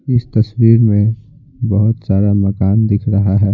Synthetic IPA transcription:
ɪst̪ɐswiːɾmẽ | bɐɦʊt̪saːɾamɐkaːnd̪ɪkʰɾɐɦaɦɛː

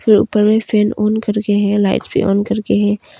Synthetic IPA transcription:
fʰɪɾṵːpəɾmẽfʰeːnoːnkəɾkeɦɛ̃laːɪʈsbʱḭʔo̰ːnkɐɾkeɦɛ̃ː

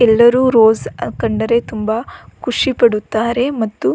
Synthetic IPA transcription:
ɛlːɐɾuːɾoːzkɐɳɖɐɾe̞t̪umbɐkʰuʂipɐɽut̪ːaːɾe̞mɐt̪ːu

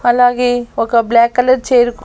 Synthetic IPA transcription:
ɐlaːɡeokablɛːkːɐləɾt͡ʃeːɾk

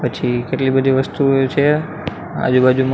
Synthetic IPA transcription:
pət͡ʃʰikeʈlibəd̪ʱiʋəst̪ut͡ʃʰe | a̰d͡ʒubad͡ʒum

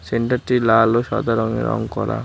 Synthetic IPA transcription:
seɳʈaɾʈilaloʃɔ̰d̪ʱaɾɔŋḛɾɔ̰ŋkɔɾa̰

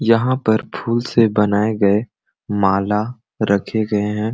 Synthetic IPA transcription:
jɐɦãpɐɾpʰuːlsebɐnaːeɡɐe | maːla | ɾɐkʰeɡɐeɦɛ̃ː

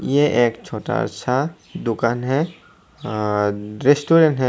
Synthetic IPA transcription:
jeʔeːkt͡ʃʰoːʈa̰ə̰tːʃʰa | d̪ʊkaːnɦɛ | ɾesʈuːɾẽɳʈɦɛ

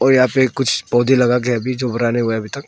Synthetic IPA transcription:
ɔːɾjɐɦãpekʊt͡ʃʰpɔːd̪ʱilɐɡak̬eɐbʱid͡ʒoːbɐɾaːneɦueɐbʱit̪ɐk̚

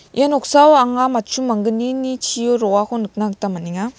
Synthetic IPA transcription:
jenɔk̚sawaŋamatt͡ʃumaŋɡɯninit͡ʃʰioɾɔwakʰɔnɯk̚nak̚tamaniŋa

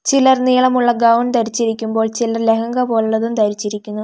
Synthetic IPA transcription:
t͡ɕilɐrniːɭɐmuɭːɐɡɐwunt̪ɐɾit͡ɕːiɾikʲːumbo̞ːɭt͡ɕilɐrle̞kɐŋɡɐpo̞ːluɭːɐðumt̪ɐɾit͡ɕːiɾikʲːunːu

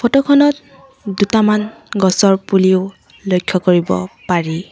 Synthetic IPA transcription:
pʰɔtɔkʰɔnɔt | dutamanɡɔsɔɹpuliʊ | lojkʰːɔkoɹibɔ̰paɹi

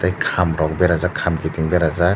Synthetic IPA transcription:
tajkʰamɾɔk̚beɾazakʰamkʰitiŋbeɾaza

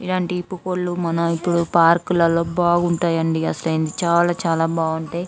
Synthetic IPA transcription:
ilaːɳʈiːpːukoɽlumɐnɐipːuɽupaːɾkulɐlːo̞ːbaːɡuɳʈaːjɐɳɖiɐsɐlɐjnd̪it͡ʃaːlaːt͡ʃaːlaːbaːɡuɳʈeː

